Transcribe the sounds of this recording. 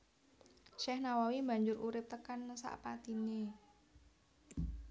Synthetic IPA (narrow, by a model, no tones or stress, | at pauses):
ʃɛhnawawimba̤ɲd͡ʒʊɾuɾɪp̚t̪əkansa̰ʔpat̪ine